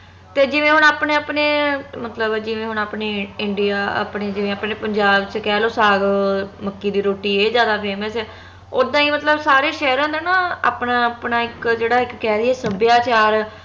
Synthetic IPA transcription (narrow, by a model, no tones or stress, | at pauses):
t̪eːd͡ʒɪʋẽːɦʊnaːpɳeːaːpɳeːmət̪ləbd͡ʒɪʋẽːɦʊɳaːpneːɪɳɖɪjaːa̰ːpɳeːd͡ʒɪʋẽːaːpneːpəɲd͡ʒaːbt͡ʃkɛːloːsaːɡməkːiːd̪iːɾoːʈiːeːzjaːd̪aːpʰeːməsɛː | oːd̪ãːiːmət̪ləbsaːɾeːʃɛːɾãːd̪eːnãːa̰ːpnãːpnaːɪkd͡ʒeːɽaːɪkːɛːɾiːɛːsəbjaːt͡ʃaːɾ